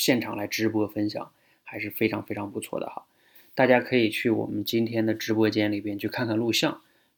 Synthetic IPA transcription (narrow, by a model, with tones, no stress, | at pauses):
ɕjɛ˥˩nʈ͡ʂʰɑ˨˩ŋla˧˥ɪʈ͡ʂɻ̩˥pwɔ˥fə˥nɕjɑ̰˨˩˦ŋ | xa˧˥ɪʂɻ̩˥˩fe˥ɪʈ͡ʂʰɑ˧˥ŋfe˥ɪʈ͡ʂʰɑ˧˥ŋpu˧˥t͡sʰwɔ̰˥˩d̪ə̰˩xɑ˧˥ | t̪a˥˩t͡ɕja˥kʰɤ˧˥i˨˩t͡ɕʰy˥˩wɔ̰˨˩mə˦nt͡ɕi˥nt̪ʰjɛ˥nd̪ə˨ʈ͡ʂɻ̩˥pwɔ˥t͡ɕjɛ˥nli˨˩pjɛ˥nt͡ɕʰy˥˧kʰa˥˧nkʰa˥˧nlu˥˧ɕjɑ˥˩ŋ